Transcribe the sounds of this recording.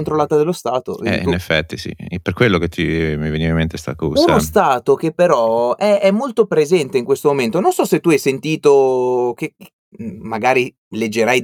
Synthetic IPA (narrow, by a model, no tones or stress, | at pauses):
nt̪ɾolːaːt̪ad̪elːost̪aːt̪o̰ʔɛ̰iunefːɛt̪ːisḭperkwelːoket̪ːimiveniːvaimːent̪est̪a̰kuːsnaost̪aːt̪ok̟epːeɾɔɛɛmːolt̪opɾezɛnt̪eiŋkwest̪omoment̪ononsɔset̪ːuɛjsent̪iːt̪okek | maɡaːɾi | led͡ʒːeɾaj